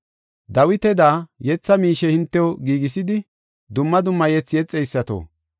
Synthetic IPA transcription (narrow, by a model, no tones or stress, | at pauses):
d̪ɐwɪt̪ɛd̪aːjɛt͡sːɐmiːʃɛhɪnt̪ːɛwoɡiːɡɪsɪd̪ɪ | d̪ʊmːɐd̪ʊmːɐjɛt͡sːɪjɛt͡sʼːɛjsːɐt̪o̰ː